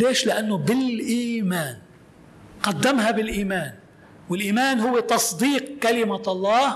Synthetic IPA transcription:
leːʃlɪʔanːobɪlʔiːmaːn | qad̪ːamɦabɪlʔiːmaːn | wɪlʔiːmaːnɦʊwːet̪ɑsˤd̪iːq̚kalɪmaɑlˤːɑː

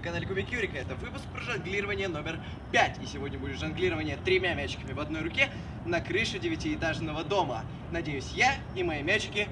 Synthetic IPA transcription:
kɐnalʲɪkʊmʲɪkʲuɾʲɪkəɛt̪əvɨpʊsk̚pɾəʐɐnɡlʲiɾəvənʲɪjəno̞mʲɪr | pʲætʲɪsʲɪvo̞dʲnʲəbudʲɪt̪ʐɐnɡlʲiɾəvənʲɪjət̪ɾʲɪmʲamʲæt͡ɕːɪ̥kəmʲɪvɐd̪no̞jɾʊkʲe | nɐkɾɨʂʊdʲɪvʲɪtʲɪːt̪aʐnəvəd̪o̞mə̰ | nɐdʲejʊsʲja | imɐjimʲæt͡ɕɪkʲɪ

